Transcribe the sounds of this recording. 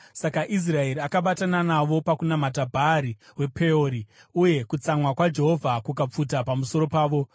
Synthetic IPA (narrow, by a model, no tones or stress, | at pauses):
sakaʔis̬rae̞ɾiakaɓatananaʋo̞pakunamat̬abʱaɾiwe̞pʰe̞oːɾi | uje̞kut͡samwakwad͡ʒe̞ɦo̞vʱakukap͡futapamuso̞ɾo̞paːʋo̞